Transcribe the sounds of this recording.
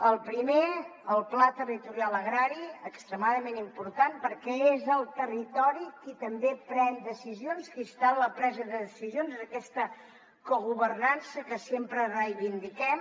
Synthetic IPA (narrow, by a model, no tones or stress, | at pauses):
əlˠpɾimeəlˠplat̪ərit̪uɾialˠəɣɾaɾiəkst̪ɾəmaðəmenimpuɾt̪anpəɾkɛezəlˠt̪ərit̪ɔɾikit̪əmbepɾɛnd̪əsizionskist̪alləpɾɛzəðəðəsizionzðəkɛst̪ə | kuɣuβərnansəkəsempɾərəjβind̪ikɛm